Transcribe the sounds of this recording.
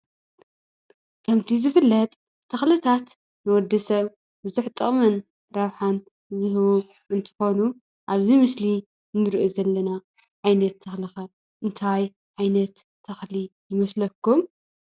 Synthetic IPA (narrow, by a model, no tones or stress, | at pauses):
kʰɐmt̪ʰizɨfɨlːɐt̪ʼʰː | ɐxlɨt̪ʰat̪ | nɨwɔd̪ːɐsɐβ | bɨzuħt̪ʼɨχʼmɐn | ɾɐβħan | zɨɦwu | ʔɨnt̪ʰɨ̥xo̞nu | ʔaβzimɨsli | nɨɾʔozɐlːɐna | ʕajnɐt̪ʰːɐxlixɐ | ʔɨnt̪ʰaj | ʕajnɐt̪ʰː | ɐxlijɪmɐslɐkːum